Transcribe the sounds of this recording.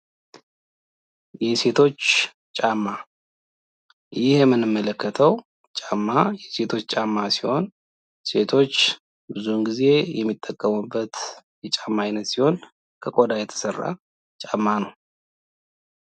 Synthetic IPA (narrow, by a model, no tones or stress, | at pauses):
jɛse̞t̪ʰo̞t͡ʃː | t͡ʃʼamːa | jɪhjɛmːɨnːɨmːələkːət̪ʰəw | t͡ʃʼamːajɛse̞t̪ʰo̞t͡ʃːt͡ʃʼamːasiho̞n | se̞t̪ʰo̞t͡ʃː | bɨzunɡize̞jɛmːit̪ʼːəkʼːəmubːət̪jɛt͡ʃʼamːajnət̪siho̞n | kʰəkʼod̪ajɛt̪ʰə̥sərːa̰ | t͡ʃʼamːanəw